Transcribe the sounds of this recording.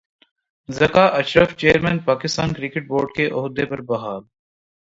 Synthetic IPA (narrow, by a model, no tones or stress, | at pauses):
zɐkaːʔɐʃɾəft͡ʃeːəɾmɛ̃ːnpaːkɪst̪aːnkɾɪkɪʈ̚boːɾɖkeʔʊɦd̪epɐɾbɐɦaːl